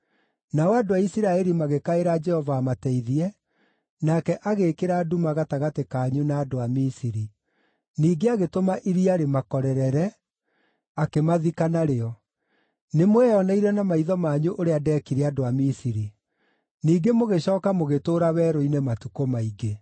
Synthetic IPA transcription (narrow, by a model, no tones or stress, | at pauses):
naɔadoaisiɾaɛɾimaɣekaeɾad͡ʒɛhɔvaːmatɛiðiɛ | nakɛʔaɣekeɾadumaɣataɣatekaːɲunaːdoamisiɾi | niːɡeaɣetomaʔiɾiaɾemakɔɾɛɾɛɾɛ | akemaðikanaɾeɔ | nemowɛɔnaiɾɛnamaiðɔmaːɲuʔoɾeadɛːkiɾɛadoamisiɾi | niːɡemoɣeɕɔːkamoɣetoːɾawɛːɾoinɛmatukomaiɡe